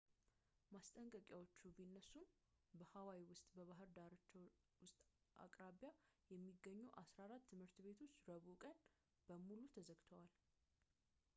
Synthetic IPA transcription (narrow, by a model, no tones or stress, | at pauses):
mast̪ʼəŋkʼəkʼjawo̞t͡ʃːubinːəsum | bəhawawiwʊst̪ʼbəβaɦɨɾd̪aɾt͡ʃː | wʊst̪ʼ | ʔa̰kʼɾaβjajɛmːiɡːəɲːuʔasɾaɾat̪ːɨmhɨɾt̪be̞t̪ʰo̞t͡ʃːɾəβukʼən | b̥əmulut̪ʰəzəɡt̪ʰəwal